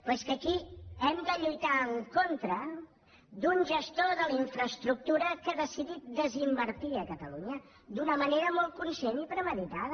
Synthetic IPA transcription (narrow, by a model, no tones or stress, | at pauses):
pɛskəkiɛmd̪əʎujt̪aəŋkont̪ɾə | d̪unʲʒəst̪oðəliɱfɾəst̪ɾuk̚t̪uɾəkəðəsiðit̪̚d̪əzimbəɾt̪iəkət̪əluɲə | d̪unəməneɾəmɔlˠt̪̚kunsenipɾəməðit̪aðə